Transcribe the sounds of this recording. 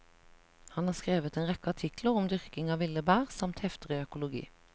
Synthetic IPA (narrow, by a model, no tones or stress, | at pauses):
hɑnhɑːʁskʁeːʋət̪eːnʁɛkəɑʈʰɪkləʁʊmd̪ʏʁkɪŋɑːʋɪləbæːʁsɑmt̪hɛft̪əʁiːœkʊlʊɡḭː